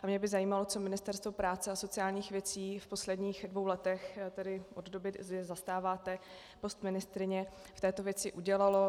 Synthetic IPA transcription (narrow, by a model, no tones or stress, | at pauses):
ʔamɲɛbɪzajiːmalo̞t͡so̞mɪnɪst̪ɛɾst̪vo̞pɾaːt͡sɛaso̞t͡sɪaːlɲiːxvjɛt͡siːfpo̞slɛdɲiːxdvo̞wlɛt̪ɛxt̪ɛdɪʔoddo̞bɪzɛzast̪aːvaːt̪ɛ | po̞st̪mɪnɪst̪ɾɪɲɛ | ft̪ɛːt̪ovjɛt͡sɪʔuɟɛlalo̞